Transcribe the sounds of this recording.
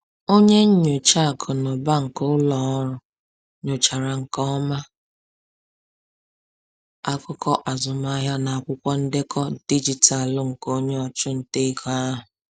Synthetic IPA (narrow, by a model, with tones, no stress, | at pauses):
o˦ɲe˦ɲ̩˦ɲʊ˨t͡ʃa˦˨kʰʊ˨nɔ˨ba˦ŋ̩˨kʊ˦lɔ˨ɔ˦ɾʊ˨ | ɲʊ˨t͡ʃa˨ɾa˨ŋ̩˨kɔ˦ma˦ | a˦kʊ˦kɔ˦ʔa˨zʊ˨ma˦ɦja˦na˨a˨kʷʊ˦kʷɔ˦n̩˦dɪ˦kʰɔ˦di˦d͡ʒi˨ta˨lʊ˦ŋ̩˨ko˦ɲe˦ɔ˨t͡ʃʊ˦n̩˦te˦kʰɔ˨a˦ɦʊ˨